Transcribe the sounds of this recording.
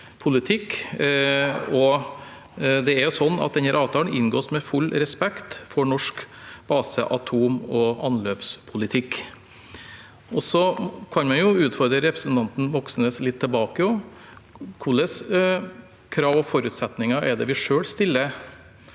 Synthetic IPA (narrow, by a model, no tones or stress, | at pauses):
pʰʊlɪt̪ʰɪkː | ɔ | d̪ɛæɾjʊsɔnːɑ̰t̪̚d̪ɛnhæɾʔɑːʋt̪ʰɑːlnɪ̰nɡoːsmɛfʉlːɾɛspɛkt̪fɔɳɔʂkb̥ɑːsəʔɑt̪ʰuːmɔʔɑnløːpspʰʊlɪt̪ʰɪkː | ʔɔsɔkʰɑnmɑnjʊʉːt̪fɔɾd̪ɾəɾɛpɾəsn̩t̪ʰɑnt̪n̩ʋɔksənəslɪt̪ʰːɪlbɑːkəɔ | kʰʊləs | kʰɾɑːʋɔfɔɾʉːt̪sɛt̪nɪŋɑʔɛd̪ɛʋɪʂøːlst̪ɪlːə